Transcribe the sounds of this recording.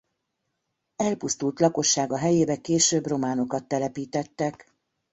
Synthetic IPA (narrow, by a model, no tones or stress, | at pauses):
ɛlpust̪ult̪lɒko̞ʃːaːɡɒɦɛjeːbɛkeːʃøbro̞maːno̞kɒt̪ːɛlɛpiːt̪ɛt̪ːɛk